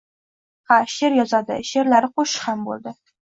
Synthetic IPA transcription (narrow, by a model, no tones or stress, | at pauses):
χaʃeɾjɒzɑd̪ɪ̰ʃeɾlaɾqoʃχambo̰lˠd̪ɪ